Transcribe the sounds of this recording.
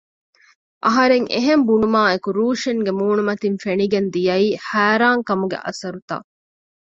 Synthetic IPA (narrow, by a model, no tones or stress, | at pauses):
ʔɐɦɐɾeŋʔḛɦembunumaːekuɾuːʂeŋɡemuːnumɐt̪infeniɡend̪ijɐiːhæːɾaːŋkɐmuɡḛʔɐ̰sɐɾut̪a̰ː